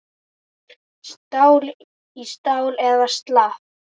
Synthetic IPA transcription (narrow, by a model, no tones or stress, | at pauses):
st̪aːwl | ist̪aːwlɛðast̪laːf